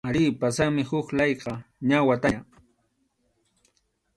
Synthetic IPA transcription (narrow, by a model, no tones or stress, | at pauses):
alɪpasaŋmɪhʊklɑjqɑɲawat̪aa